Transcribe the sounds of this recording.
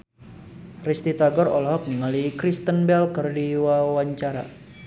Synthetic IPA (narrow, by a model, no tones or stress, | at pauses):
rist̪it̪aɡɔrɔ̰lɦɔk̚nəŋalikɾist̪ənbɛlkərdiwawaɲt͡ʃaɾa̰